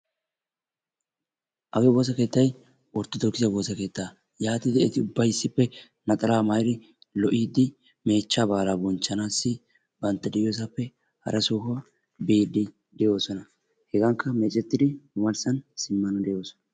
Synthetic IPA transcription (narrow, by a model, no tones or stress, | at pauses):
ʔɐɡɛbo̞ːs̬ɐke̞ːt̪ːɐj | wɔɾt̪ːɔd̪ɔkːɪzɐbo̞ːsɐke̞ːt̪ːaː | jaːt̪ɪd̪ɛɛt̪ɪʊbːɐjɪsːɪpːɛ | nɐt̪ʼɐlaːmɐjɾɪ | lɔʔiːd̪ːɪ | me̞ːt͡ʃːabaːlaːbɔnt͡ʃːɐnaːsːɪ | bɐnt̪ːɐd̪ɪʔjoːs̬ɐpːɛ | hɐ̰ɾɐsuːɦʊ | biːd̪ːɪ | d̪ɛjo̞ːsɔnɐ | hɛɡɐŋkːɐmɛt͡ʃʼɛt̪ːɪd̪ɪmʊmɐlsɐnsɪmːɐnɔd̪ɛjo̞ːsɔ̥nɐ